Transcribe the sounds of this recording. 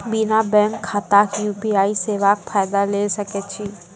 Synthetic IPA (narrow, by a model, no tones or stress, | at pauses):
binabɛ̃ːŋkʰːat̪aːkjuːbiaːiseːʋakfʰaːjd̪aleːsɐket͡ʃʰiː